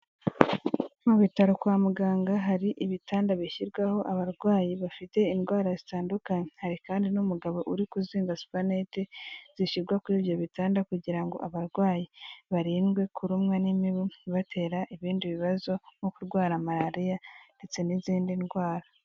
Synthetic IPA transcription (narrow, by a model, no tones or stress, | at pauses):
muβitaɾokwaːmuɡaːŋɡaɦaɾiʔiβitʰaːndaβiçiɾɡwaho̞ʔaβaɾɡwaːjiβafite̞inɡwaːɾazitaːndukaɲehaɾikaːndinumuɡaβo̞ʔuɾikuziːŋɡasu̥panetez̥iʃiɾɡwakwuiːβjo̞βitaːndakuɟiɾaŋɡo̞̰ʔaβaɾɡwaːjiβaɾiːnɡwe̞kʰuɾumŋanimiβunβatʰe̞ːɾaʔiβiːndiβiβazo̞mokuɾɡwaːɾamaɾaɾijande̞t͡se̞niziːndinɡwaːɾa